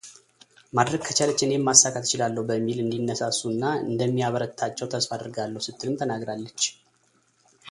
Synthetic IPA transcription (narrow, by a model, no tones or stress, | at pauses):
mad̪ɾəɡ̚kʰət͡ʃalət͡ʃːɪnemːasːakʰat̪ɪt͡ʃɪlalːəhubəmːilɨnd̪inːəsasːunːaɨ̰nd̪əmːiaβəɾət̪ʰat͡ʃːɛwt̪ʰəsfad̪ɾɡalːəhusɨt̪ʰːɨlɨmt̪ʰənaɡɾalːət͡ʃː